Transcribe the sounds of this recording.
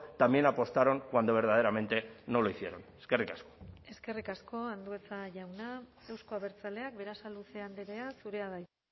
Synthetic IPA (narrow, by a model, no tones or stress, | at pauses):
t̪amje̞napo̞st̪aɾo̞ŋkwand̪o̞β̞e̞ɾðað̞e̞ɾame̞nt̪e̞no̞loisjeɾo̞neske̞rikasko̥e̞ske̞rikasko̞and̪ue̞t͡saʝawna | e̞wsko̞aβe̞ɾt͡sale̞ak̚be̞ɾasaluse̞and̪eɾe̞asuɾe̞aðaj